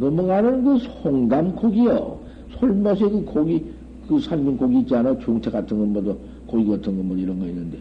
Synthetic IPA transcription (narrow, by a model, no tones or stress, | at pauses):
nʌmuɡanɯnkɯsʰoŋdamkoɡijo̰ | sʰoɭmʌs̬ʰekɯkoɡi | kɯsʰanminkoɡiːt͡ɕianat͡ɕoŋtʰekatʰɯnŋɡʌnmʌd̪ʌ | koɡiɡatʰɯŋɡʌnmʌdiɾʌnɡʌinːɯnd̪e